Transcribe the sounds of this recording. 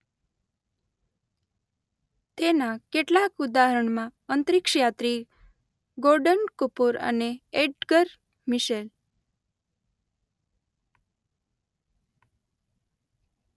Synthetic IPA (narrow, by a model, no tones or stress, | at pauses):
t̪enakeʈlakud̪aɦəɾəɳmãənt̪ɾikʃjat̪ɾi | ɡoɾɖənkupuɾə̰neeɖɡəɾ | miʃel